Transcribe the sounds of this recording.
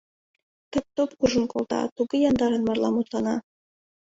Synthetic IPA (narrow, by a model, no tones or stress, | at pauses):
t̪op̚t̪opkuʒə̆nkolˠt̪ɑ̰t̪uɡɤjɑnd̪ɑɾɤ̆nmɑrlˠɑmut̪lˠɑnɑ